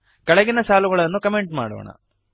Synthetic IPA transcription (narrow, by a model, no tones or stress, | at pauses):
kɐɭɐɡinɐsaːluɣɐɭɐnːukɐmeɳʈma̰ːɽo̰ːɳɐ̰